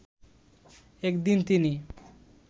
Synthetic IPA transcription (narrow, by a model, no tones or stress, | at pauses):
ekd̪int̪ini